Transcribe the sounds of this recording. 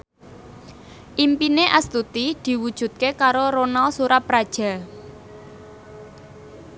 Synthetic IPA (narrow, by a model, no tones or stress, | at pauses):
ʔimpineʔast̪ut̪id̪̥i̤wud̥ʒ̥ṳt̪̚kekaɾoɾonalsuɾapɾad̥ʒ̥a̤